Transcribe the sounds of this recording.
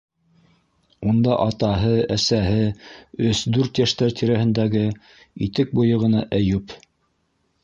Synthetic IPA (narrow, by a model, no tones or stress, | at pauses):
und̪ɑʔɑt̪ɑɦɤæsæɦɘɵsd̪ʉɾt̪jæʃt̪æɾt̪iɾæhɘ̆nd̪æɡɘ | it̪ɘk̚bujɤ̆ʁɤ̆nɑʔæjʉp